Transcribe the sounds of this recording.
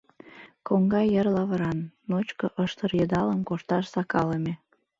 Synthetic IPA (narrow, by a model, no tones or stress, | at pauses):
koŋɡɑjərlɑβəɾɑnːot͡ɕkoʔəʃt̪ərjəd̪ɑləmkoʃt̪ɑʃsɑkɑləme